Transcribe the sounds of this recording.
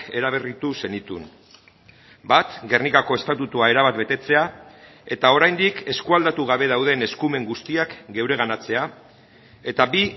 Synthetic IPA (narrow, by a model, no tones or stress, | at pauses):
e̞ɾaβ̞erit̪use̞nit̪ṵn | bat̪ɡe̞rnikako̞e̞st̪at̪ut̪uae̞ɾaβ̞at̪be̞t̪e̞t͡se̞a | e̞t̪ao̞ɾajnd̪ike̞skuald̪at̪uɣ̞aβe̞ð̞awð̞e̞ne̞skume̞ŋɡust̪iakɡe̞wɾe̞ɣ̞anat͡se̞a | e̞t̪aβi